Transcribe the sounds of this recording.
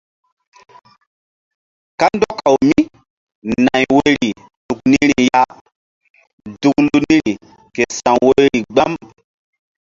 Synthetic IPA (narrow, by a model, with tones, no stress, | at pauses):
ka˦ndɔ˦ka˨wmi˦ | nã˨jwe˦ɾi˨ | nu˨k̚ni˦ɾi˨ja˦ | du˨klu˦nĩ˦ɾi˨ | ke˨sã˨we˦jɾi˨ɡ͡ba˦m